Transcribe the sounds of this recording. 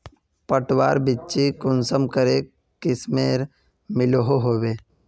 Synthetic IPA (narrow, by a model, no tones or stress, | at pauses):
pəʈwa̰ːɾbɪt͡ʃikʊnsəmkəɾe | kɪsmeːɾ | mɪloɦoɦoːweː